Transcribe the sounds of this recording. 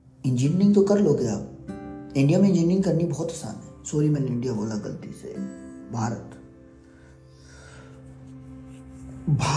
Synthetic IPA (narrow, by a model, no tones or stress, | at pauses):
ɪ̃nd͡ʒɪniɾɪ̃ŋɡt̪okɐɾloɡeja̰ː | ɪ̃ɳɖijamẽɪ̃nd͡ʒiniɾɪ̃ŋɡkɐɾnibɔːt̪ɐsa̰ːnɛsoːɾimẽnɪ̃ɳɖijaboːlaɡɐ̰lt̪ḭsḛbʱaːɾət̪ | bʱaː